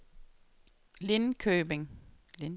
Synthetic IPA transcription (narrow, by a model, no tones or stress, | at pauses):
le̝nkʰøːb̥eŋ | l